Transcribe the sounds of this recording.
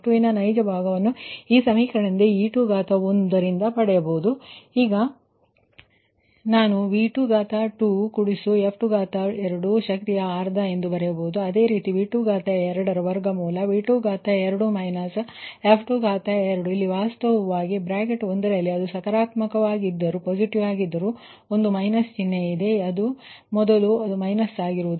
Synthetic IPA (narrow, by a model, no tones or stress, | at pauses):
ʈuʋinɐnɐjd͡ʒɐbʱaːɡɐʋɐnːuiːsɐmiːkʰɐɽɐnd̪eiːʈuɡaːt̪ɐond̪ɐɾind̪ɐpɐɽɛjɐboːud̪uiːɡɐ | naːnuʋiːʈuɡaːt̪aʈukuɽisuepʰʈuɡaːt̪aɛɾɐɽuʃɐk̚t̪ijɐaːɾd̪ʱɐe̞nd̪ubɐɾɛjɐboud̪uɐd̪e̞ːɾiːt̪iʋiːʈuɡaːt̪ɐɛɾɐɽɐɾɐʋɐɾɡɐmuːlɐʋiːʈuɡaːt̪aɛɾɐɽumɐjnɐseːpʰʈuɡaːt̪aɛɾɐɽuilːiʋaːst̪ɐʋɐʋaːɡibɾaːkeʈond̪ɐɾɐɐlːiɐd̪usɐkɐɾaːt̪mɐkɐʋaːɡid̪ːɐɾupoːd͡ʒiʈiʋaːɡid̪ːɐɾu | ond̪umɐjnɐst͡ʃinːeid̪e̞ɐd̪umɔd̪ɐluɐd̪umɐjnɐsaːɡiɾuʋud̪u